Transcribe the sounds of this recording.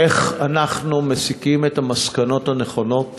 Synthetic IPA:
eχanaχnumesikimethamaskano̞thaneχo̞no̞t

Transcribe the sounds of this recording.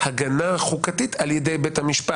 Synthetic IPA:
haɡanaχukatitʰaljedejbethamiʃpa

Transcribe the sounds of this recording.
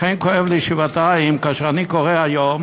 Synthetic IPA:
xejnkoevliʃivat̪aimkaʃʁanikoʁeajom

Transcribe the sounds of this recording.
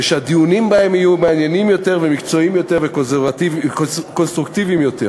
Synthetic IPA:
eʃead̪iunimbahe̞mijumeanjenimjo̞t̪e̞ʁvemikt͡so̞imjo̞t̪eʁvekozvativkonst̪ʁukt̪ivimjo̞t̪e̞

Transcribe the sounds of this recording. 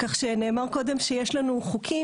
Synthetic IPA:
kaχʃene̞ːmaʁko̞de̞mʃejeʃlanuχukʰi

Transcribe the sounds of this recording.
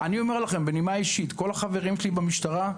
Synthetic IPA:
anio̞me̞ʁlaχe̞mbenimaiʃit̪ko̞laχave̞ʁimʃelibamiʃt̪aʁa

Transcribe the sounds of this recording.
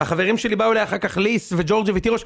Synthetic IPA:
haχave̞ʁimʃe̞libaulejaχakaχlisved͡ʒo̞ʁd͡ʒvet̪iʁoʃ

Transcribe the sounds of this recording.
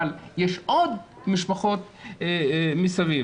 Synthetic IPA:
ljɛʃʔod̪ | miʃpaχot̪ | misavi

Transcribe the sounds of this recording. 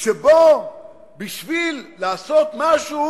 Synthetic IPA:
ʃebo | biʃvilːaːso̞t̪maʃu

